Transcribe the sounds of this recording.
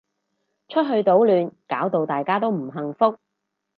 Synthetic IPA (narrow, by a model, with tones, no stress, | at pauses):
t͡ʃʰɵ˥t̚ɦɵ˧ɥt̪o˨˥wlyː˨˧nkaː˨˥wt̪o˨˧wt̪aː˨jkaː˥t̪̬o˥wm̩˨˩ɦɐ˨ŋfʊ˥k̚